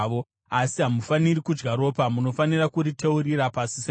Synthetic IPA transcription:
o | asiɦamufanirikud͡ʒɡaɾo̞pamuno̞fanirakuɾiteurirapasi̥se

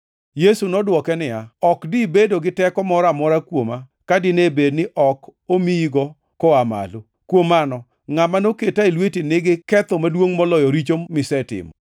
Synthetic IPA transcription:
jesunɔdwɔkɛnɪjaɔkdibedoɡɪtɛkɔmɔɾamɔɾakwoma | kadɪnebednɪʔɔkomiɡɔ | kɔama̰lo | kwomanɔ | ŋamanoketaelwetinɪɡɪkɛt̪ɔmadwoŋmɔlɔjɔɾit͡ʃoːɪsɛtɪ̰mɔ̰

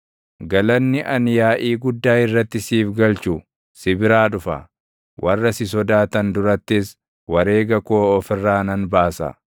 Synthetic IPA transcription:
ɡɐlɐnːɪʔɐnjaːʔiːɡʊd̪ːaːɪrːɐt̪ːɪsiːfɡɐlt͡ʃʊ | sɪbɪɾaːᶑʊfɐ̰ | wʔɐrːɐsɪs̬ɔd̪aːt̪ɐnd̪ʊɾɐt̪ːɪs | wɐɾe̞ːɡɐkoːɔfɪrːaːnɐnbaːsɐ̰

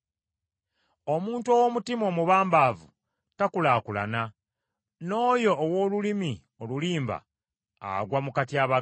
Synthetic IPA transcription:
omuːntuowo̞mutimo̞muβaːmbaːvu | takulaːkula̰na | no̞ːjo̞ʔːwo̞ːlulimi | oluliːmba̰ː | ɡwamukatiaβa

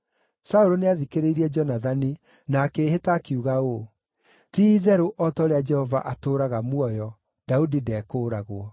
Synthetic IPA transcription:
saoɾoneaðikeɾeiɾiɛd͡ʒɔnaðani | nakehetaːkiuɣao | tiːðɛɾoʔɔtɔɾead͡ʒɛhɔva̰ʔatoːɾaɣamwɔjɔ | d̥audidɛːkoːɾaɣwɔ

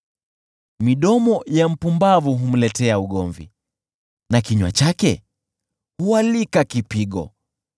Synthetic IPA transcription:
miɗɔmɔjam̩pumbavuɦum̩lɛtɛauɠɔɱvḭ | nakiɲwa̰t͡ʃakɛ | hualikakipiɠɔ̰

